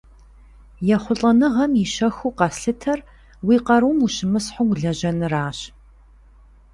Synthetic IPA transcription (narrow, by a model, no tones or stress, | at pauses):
jɛχʷʊɬʼɐnɨʁɐmjiʃɐxuːqɑsɬɨtʰɐr | wiːqɐɾumuʃɪmɨsħʊɡʷɮɐʑɐnɨraːɕ